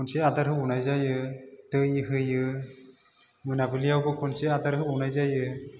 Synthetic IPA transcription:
ɔnseadaɾɦɯunajzajɯtɯjiɦɯjɯ | mɯnabɯlijawbɯkʰɔnsead̪aɾɦɯunajzajɯ

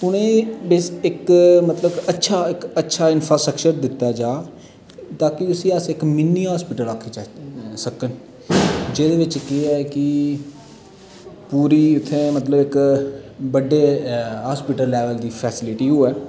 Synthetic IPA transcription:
ʊnẽːbesɪkmət̪ləbətːʃʰaːɪkətːʃʰaːɪnpʰɾaːsʈɾəkt͡ʃəɾd̪ɪt̪ːaːd͡ʒaː | t̪aːkɪʊsĩːəsɪkmɪnːiːɦaːspɪːʈəlakʰːiːsəkən | d͡ʒeːd̪eːʋɪt͡ʃkɪɛːkɪ | puːɾiːʊt̪ʰːeːmət̪ləbɪk | bəɖːeːɦaːspɪʈəlːɛːʋəld̪iːpʰɛːsɪlɪʈiːɦoːɛː

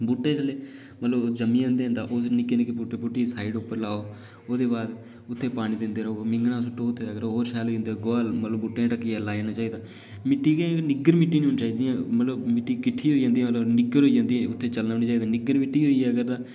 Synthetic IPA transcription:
buːʈːeːt͡ʃʰəleː | mət̪ləbd͡ʒəmĩːə̃nd̪eːɦnd̪a̰ːʔoːsnɪkenekepʊʈeːpʊʈːiːsaːiɪɖʊpːəɾlaːoː | oːd̪eːbaːd̪ | ʊt̪ʰːeːpaːɽ̃ĩːd̪ɪnd̪eːɾəoːmɪŋɡnãːs̬ʊʈʰːoːʊt̪ʰːeːakɾoɦoːɾʃɛːlɦoːid͡ʒẽnd̪eɡoːlmət̪ləbuːʈːẽːãːʈəkːiːɛːlaːd͡ʒeːnãːt͡ʃaːiːd̪aː | mɪʈːiːkẽnɪɡəɾmɪʈːiːnːʊnt͡ʃaːiːd̪ijãːmət̪ləbmɪʈːiːkɪʈʰːiːɦoid͡ʒãːnd̪iːãːmət̪əbnɪɡəɾɦoːid͡ʒãːnd̪iːɛ̃ʊt̪ʰːeːt͡ʃəlnənaːt͡ʃaːiːd̪aːnɪɡəɾmɪʈːiːɦoːiɛːəɡəɾd̪aː

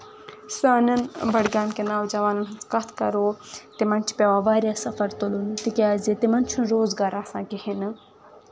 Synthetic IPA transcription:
saːnɐnbɐɽɡaːnkenaːwd͡ʒɐʋaːnɐnɦɐt͡skɐt̪ʰkɐ̰ɾoːt̪imɐnʲt͡ʃʰi̥pʲaʋãːʋaːɾjaːsɐfɐɾt̪olunt̪ikʲaːzit̪imɐnt͡ʃʰunɾoːzɡaːɾaːsãːkihinɨ

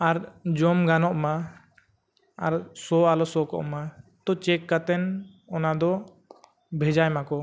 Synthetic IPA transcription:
aɾd͡ʒɔmɡanɔʔma | aɾsɔalɔsɔkɔ̰ʔmat̪ɔt͡ʃɛkːat̪ɛn | ɔnad̪ɔ | bʱɛd͡ʒajmakɔ

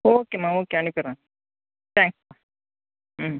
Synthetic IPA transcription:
oːkemaoːkeaɳikɐɾã | t̪ãːŋksma

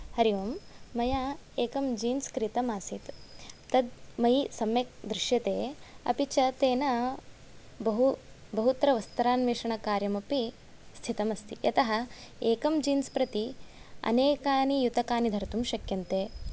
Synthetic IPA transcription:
hɐɾiʋɐmːɐjaeːkɐmd͡ʒiːnskɾit̪ɐmaːsit̪t̪ɐd̪̚mɐjisɐmjek̚d̪ɾɪʃjɐt̪eːɐ̰pit͡ʃɐt̪eːnɐ | bɐɦu | bɐɦut̪ɐɾɐʋɐst̪ɐɾaːnʋeːʂɐɳɐkaːɾjɐmɐpi | st̪ʰit̪ɐmɐst̪ijɐt̪ɐɦɐeːkɐmd͡ʒiːnspɾɐt̪iɐ̰neːkaːnijut̪ɐkaːnid̪ʱɐɾt̪umʃɐkjɐnt̪eː

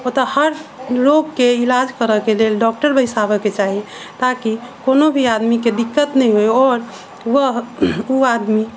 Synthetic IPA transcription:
ot̪əhəɾloɡkeilad͡ʒkəɾəkelelɖɔk̚ʈəɾbəjsabɛket͡ʃaɦi | t̪akikonobʱiad̪miked̪ikːət̪nɛjɦojɔːɾ | wəɦuad̪mi

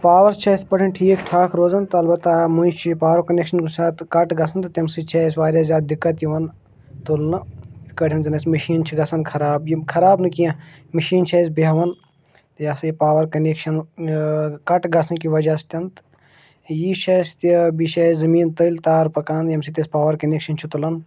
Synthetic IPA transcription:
paːʋɐɾst͡ʃʰɐspɐʈʰʲɐnʈʰiːkʈʰaːkʰɾoːzɐnt̪ɐlbɐt̪ːamujt͡ʃʰipaːʋɐɾkɐnekʃɐnkusʲaːt̪kɐʈɡɐsʰɐnt̪t̪ʲɐmsit͡ʃʰesʋaːɾjaːzʲaːd̪̚d̪ikːɐt̪jiʋɐn | t̪olnɨkɐʈʰʲɐnzɐnɐsmɐʃiːnt͡ʃʰiɡɐsɐnkʰɐɾaːbjikʰɐɾaːbnɨkijã | mɐʃiːnt͡ʃʰeːs̬beɦʋɐn | t̪jasɐjipaːʋɐɾkɐnekʃɐn | kɐʈɡɐsɐnkiʋɐd͡ʒɐst̪ʲɐnt̪ | jiʃʰest̪ibiʃeːzɐmiːnt̪ɐlt̪aːɾpɐkaːnjɐmsit̪ʲɐspaːʋɐɾkɐneːkʃɐnt͡ʃʰit̪ulɐn

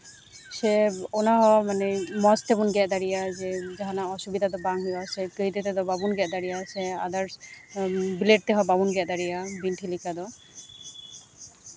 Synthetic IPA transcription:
seonaɦɔmanɛmɔst̪ebunɡɛʔd̪aɾijazɛd͡ʒaɦanaɔʃubid̪ʱad̪ɔbaŋɦuasɛkəit̪et̪ɛd̪ɔbabunɡɛʔd̪aɾijasɛad̪aɾ | bileʈ̚t̪ɛɦɔbabunɡɛʔd̪aɾijabinʈʰilikʰad̪ɔ

